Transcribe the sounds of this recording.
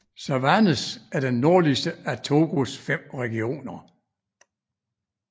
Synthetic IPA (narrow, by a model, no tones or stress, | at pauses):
sæʋænəsæɐd̥enːo̝ɐlisd̥əæt͡sʰo̝ːɡ̥o̝sfem̰ʁɛɡio̝̰ːnɐ